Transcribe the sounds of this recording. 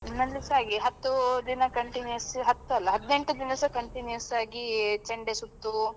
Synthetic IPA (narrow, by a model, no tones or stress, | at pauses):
nɐldisaːɡiɦɐt̪ːud̪inɐkɐɳʈinujɐsɦɐt̪ːuɐlːɐɦɐd̪neɳʈud̪inɐsɐkɐɳʈinjujɐsaːɡit͡ʃɐɳɖesut̪ːu